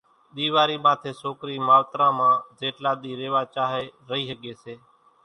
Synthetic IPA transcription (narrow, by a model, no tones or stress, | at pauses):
ɗ̪iːʋaːɾiːmãːt̪ʰeːsoːkɾiːmaːlt̪ɾãːmãːd͡ʒeːʈlaːɗ̪iːɾeːʋaːt͡ʃaːɦeːɾəɦiːsəɠeːseː